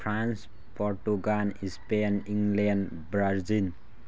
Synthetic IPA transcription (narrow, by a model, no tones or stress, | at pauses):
pʰɾans | pɔrʈuɡanispeniŋɡlaanɖ | bɾaɾd͡zin